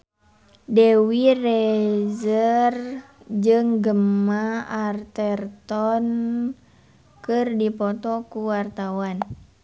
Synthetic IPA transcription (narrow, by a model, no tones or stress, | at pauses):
dɛwirɛzər | d͡ʒɨŋɡəmaart̪ɛrt̪ɔn | kɨrdipɔt̪ɔkuwart̪awan